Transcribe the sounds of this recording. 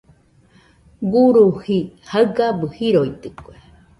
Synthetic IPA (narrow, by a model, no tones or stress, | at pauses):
ɡuɾuhihaɯɡabɨhiɾoit̪ɨkue